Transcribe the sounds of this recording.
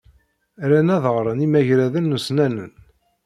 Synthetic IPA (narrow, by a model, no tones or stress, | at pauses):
ɾænæðʁɾˤənimæʝɾæðənːusnænən